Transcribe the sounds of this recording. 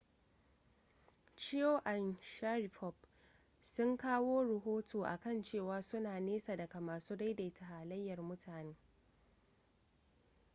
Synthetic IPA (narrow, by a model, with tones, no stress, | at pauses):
t͡ʃɪ˦joː˦ʔa˨nʃa˦ɾi˨ɸɔ˦˨b̚ | sʊ˦ŋkaː˦woː˦ɽʊ˨ɦoː˦tʰoː˨ʔa̰˨kɐ˦˨nt͡ʃeː˦˨waː˦sʊ˦naː˨neː˦sa˨dɐ˨ka˨maː˨suː˦da˦jda˨ta˨haː˨lɐ˦jːɐ˨rmʊ˦tʰaː˨neː˦